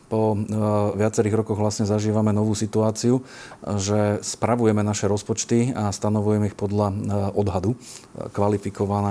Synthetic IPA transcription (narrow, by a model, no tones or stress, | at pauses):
pɔʋɪat͡sɛɾiːɣɾɔkɔɣʋlasɲɛzaʒiːʋamɛnɔʋuːsit̪uaːt͡siuʒɛspɾaʋujɛmɛnaʃɛɾɔspɔt͡ʃt̪iast̪anɔʋujɛmɛixpɔd̪laʔɔd̪ɦad̪ukʋalifikɔʋanaː